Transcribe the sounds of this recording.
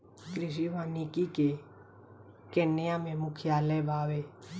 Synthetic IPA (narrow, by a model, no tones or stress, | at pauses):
kɾɪʃ̬iʋaːnikike | kenːɪjamẽmʊkʰjaːlɛbʱaːʋe